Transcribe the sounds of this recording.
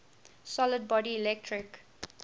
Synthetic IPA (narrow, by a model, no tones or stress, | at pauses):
sɔləɖ̚bɔɖiːlek̚ʈʰɾɪk